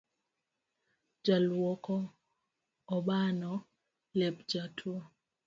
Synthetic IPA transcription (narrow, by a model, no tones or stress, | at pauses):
d͡ʒalwɔkɔ | ɓanɔ | lɛpd͡ʒatʰwo